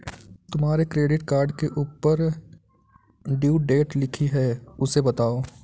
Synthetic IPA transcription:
t̪ʊmɦaːɾekɾeːɖɪʈkaːɾɖkeʔuːpəɾ | ɖjuːʈɖeːʈlɪkʰiɦɛʊsebɐt̪aːoː

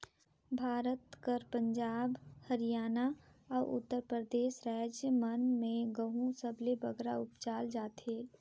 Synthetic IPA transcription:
bʱaːɾət̪kəɾpə̃ɲd͡ʒaːbhəɾijaːna | ɔːʔʊ̰t̪ːəɾpɾɾəd̪eːʃɾaːd͡ʒjəmənmẽɡəɦũsəblebəɡɾaʊpt͡ʃaːld͡ʒaːt̪ʰeː

